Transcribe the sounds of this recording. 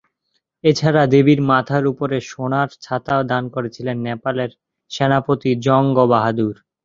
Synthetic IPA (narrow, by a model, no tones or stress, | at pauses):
et͡ɕʰaɾad̪ebiɾmat̪ʰaɾupoɾeʃonaɾt͡ɕʰat̪aod̪ankoɾet͡ɕʰilenːepaleɾ | ʃenapot̪id͡ʑɔŋɡobaɦad̪uɾ